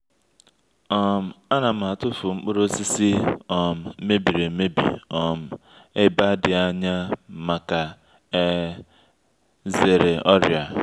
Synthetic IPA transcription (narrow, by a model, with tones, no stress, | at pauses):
ɔ˦˨m̩˨a˦na˨m̩˨a˨tʊ˦fʊ˨ŋ͡m̩˦k͡pʊ˦ɾo˦si˦si˦ɔ˨m̩˨˦me˦bi˨ɾe˨˦me˦bḭ˨ɔ˨m̩˨ | e˦ba˦dɪ˨a˦ɲa˦ma˨ka˨ | e˦ | ze˨ɾe˨ɔ˦ɾja˨